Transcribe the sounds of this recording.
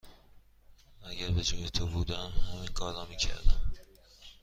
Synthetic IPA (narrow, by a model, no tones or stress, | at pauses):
æɟæɾbed͡ʒoːjet̪ʰobuːd̪æmhæmiːnkʰɒːɾlɒːmiːcʰæ̰ɾd̪æm